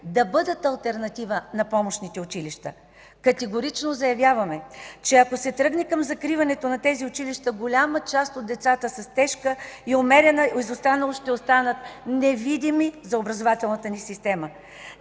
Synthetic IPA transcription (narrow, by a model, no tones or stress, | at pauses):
d̪ɐbɤd̪ət̪ɐlˠt̪ɛɾnɐt̪ivənɐpɔmoʃnit̪ɛʊt͡ʃiliʃt̪ə | kɐt̪ɛɡoɾit͡ʃnozɐjɐvʲjavɐmɛt͡ʃɛɐkosɛt̪ɾɤɡnɛkɐmzɐkɾivɐnɛt̪onɐt̪ɛziʊt͡ʃiliʃt̪əɡolʲamət͡ʃast̪od̪d̪ɛt̪sat̪əsɐst̪ɛʃkəiomɛɾʲɛnəizost̪anɐlˠoʃt̪ɛost̪anət̪nɛvid̪imizɐobɾɐzovat̪ɛlˠnɐt̪ənisist̪ɛmə